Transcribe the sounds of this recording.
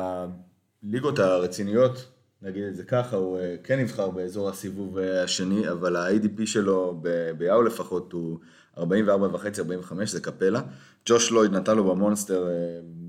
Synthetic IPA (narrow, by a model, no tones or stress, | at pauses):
a | liɡo̞thaʁet͡sinijo̞t | naɡid̪eze̞kaχaukenːivχaʁbe̞ːzo̞ʁhasivuvehaʃe̞niavalaajdipiʃe̞lo̞bebejaule̞faχo̞tu | aʁbaĩmveaʁbavaχe̞t͡siaʁbaĩveχame̞ʃzekape̞la | d͡ʒo̞ʃlo̞jd̪natanlo̞bemo̞naste̞ʁe